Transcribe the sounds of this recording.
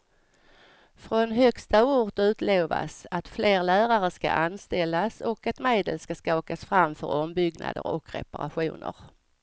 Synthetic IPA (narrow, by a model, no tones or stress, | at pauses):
fɾɔnɦœkst̪auːʈ̪ʉ̟ːt̪leːva̰sat̪fleːɾlæːɾaɾəʂka̰ʔanst̪ɛlːasɔkat̪meːd̪əlskaskaoːkasfɾamfœɾɔmbʏɡna̰d̪ə̰ɾɔkʰɾɛ̰paɾaɧuːnə̰ɾ